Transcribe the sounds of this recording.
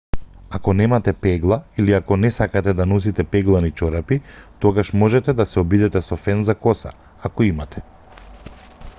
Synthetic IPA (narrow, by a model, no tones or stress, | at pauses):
akɔnɛmat̪ɛpɛɡlˠailiakɔnɛsakat̪ɛd̪anɔs̬it̪ɛpɛɡlˠanit͡ʃɔɾapit̪ɔɡaʃmɔʒɛt̪ɛd̪asɛɔbid̪ɛt̪ɛsɔfɛnzakɔsa̰ | akɔimat̪ʰɛ̥